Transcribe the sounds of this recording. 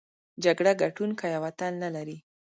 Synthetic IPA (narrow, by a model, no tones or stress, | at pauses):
d͡ʒaɡɽaɡaʈunkajawat̪anːalaɾi